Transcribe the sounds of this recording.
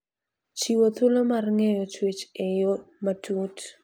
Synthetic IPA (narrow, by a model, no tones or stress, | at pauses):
t͡ʃiwot̪ulomarŋɛjɔt͡ʃwet͡ʃejomatut